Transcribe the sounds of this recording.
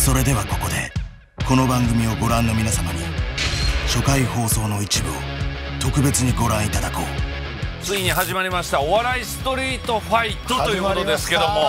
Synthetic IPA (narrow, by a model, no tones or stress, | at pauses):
so̞ɾe̞d̪e̞βako̞ko̞d̪e̞̰ | ko̞no̞bãŋɡɯ̟mʲio̞ɡo̞ɾãnːo̞mʲinasamaɲ̟ḭ | ɕo̞kaiho̞ːso̞ːno̞it͡ɕibɯ̟o̰ | t̪o̞kɯ̟be̞t͡sɨɲ̟iɡo̞ɾãɰ̃it̪ad̪ako̞̰ː | t͡sɨiɲ̟iɦaʑimaɾʲimaɕi̥t̪aoβaɾaisɨ̥t̪o̞ɾʲiːt̪o̞ɸait̪ːot̪o̞jɯːkot̪od̪e̞sɨ̥ke̞d̪o̞mo̞